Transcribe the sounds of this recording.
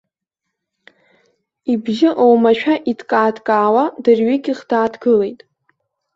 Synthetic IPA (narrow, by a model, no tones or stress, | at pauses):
ibʒɪʔowmaʃᶣaʔitʰkʼaːdkʼaːwadɨrɥiɡʲiχd̥aːdɡɨle̞jtʼ